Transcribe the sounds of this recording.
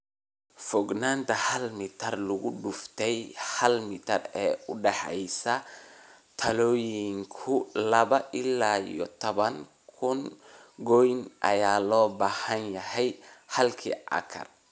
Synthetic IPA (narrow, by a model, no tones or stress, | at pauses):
fɔɡnaːnt̪ʰɐhɐlmɪt̪ʰɐrlʊɣʊɖʊft̪ʰɛjhɐlmɪt̪ʰɐrɛːʊɖɛħɛ̰jsɐ | t̪ʰɐlɔːjɪŋkʰʊlɐβɐʔɪlːaːḭjɔt̪ʰɔβɐŋ | kʰʊnɡɔjnʔɐ̰jaːlɔːbaːhɐnjɐhɛjhɐlkʰḭʔɐ̰kʰɐ̰r